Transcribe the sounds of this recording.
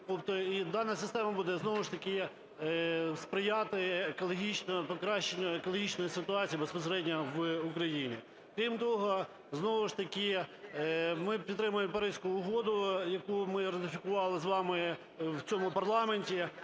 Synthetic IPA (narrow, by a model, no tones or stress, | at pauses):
t̪ɔpt̪ɔid̪ɑnɐsɪst̪ɛmɐbud̪ɛznɔʋɪʃt̪ɐkɪ | spɾɪjɑt̪ɪekɔlˠɔɦʲit͡ʃnɔpɔkɾɑʃt͡ʃenʲːɐekɔlˠɔɦʲit͡ʃnɔjɪsɪt̪ʊɑt͡sʲijɐbespɔs̬eɾɛdʲnʲɐʋʊkɾɐjinʲḭ | kɾʲimt̪ɔɦɔ | znɔʋɪʃt̪ɐkʲɪ | mɪpʲit̪t̪ːɾɪmʊjempɐɾɪsʲkʊːɦɔd̪ʊjɐkumɪrɐt̪ɪfʲɪkʊʋɑlˠɪzʋɑmɪ | wt͡sʲɔmʊpɐrlˠɑmenʲtʲi